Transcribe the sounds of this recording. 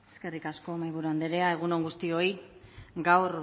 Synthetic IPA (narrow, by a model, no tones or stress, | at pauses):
eske̞rikasko̞majβuɾuand̪eɾeae̞ɣ̞uno̞ŋɡust̪io̞jɡawɾ